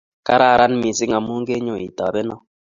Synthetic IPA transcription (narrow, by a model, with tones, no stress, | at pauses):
ka˦ɾa˦˨ɾa˦n˦mi˨sɪ˦ŋa˨mu˦ŋɡe˦ɲo˨ḭ˨ta˨bɛ˦nɔ˦